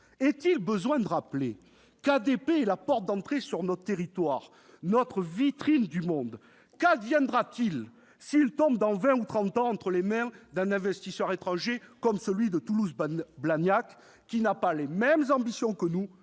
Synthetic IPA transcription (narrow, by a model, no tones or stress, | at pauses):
ɛt̪ilbəzwɛ̃d̪əʁaple | kad̪epeɛlapɔʁt̪̚d̪ɑ̃t̪χesyʁnɔt̪χət̪eʁit̪waʁ | nɔt̪χəvit̪χind̪ymɔ̃d̪ | kad̪vjɛ̃d̪ʁat̪il | siːlt̪ɔ̃b̚d̪ɑ̃vɛ̃ut̪χɑ̃t̪ɑ̃ɑ̃t̪χəlemɛ̃d̪ɛ̃nɛ̃vɛst̪isœʁet̪χɑ̃ʒekɔmsəlɥid̪ət̪uluzblanjak | kːinapalemɛmzɑ̃bisjɔ̃kənu